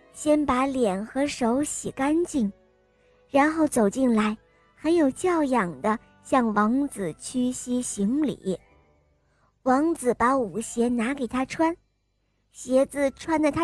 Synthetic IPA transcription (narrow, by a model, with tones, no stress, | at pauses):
ɕjɛ˥npa˧˥ljɛ˨˩nxɤ˧˥ʂo˧˥ʊɕi˨˩ka˥nt͡ɕi˥˩ŋ | ɻa˧˥nxo˥˩ʊt͡so˨˩ʊt͡ɕi˥˩nla˧˥ɪ | xə˧˥njo˨˩ʊt͡ɕjɑ˥˩ʊjɑ˨˩ŋd̪ə˦ | ɕjɑ˥˩ŋwɑ˧˥ŋt͡sɹ̩˨˩t͡ɕʰy˥ɕi˥ɕi˧˥ŋlḭ˨˩˦ | wɑ˧˥ŋt͡sɹ̩˨˩pa˧˥u˨˩ɕjɛ˧˥na˧˥ke˨˩ɪt̪ʰa˥ʈ͡ʂʰwa˥n | ɕjɛ˧˥d͡zɹ̩˥˧ʈ͡ʂʰwa˥nd̪ə˨˩t̪ʰa˥